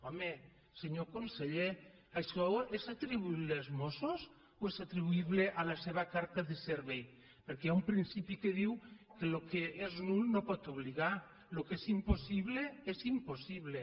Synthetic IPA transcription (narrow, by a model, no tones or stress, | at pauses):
ɔme | seɲokonseʎeasowesat̪ɾiβuiβleazmosos | oesat̪ɾiβuiβleʔalaseβ̞akaɾt̪aðeseɾβej | peɾkeaumpɾinsipikeðiwkelokeeznulnopɔt̪oβliɣa | lokesimposiβleezimposiβ̞le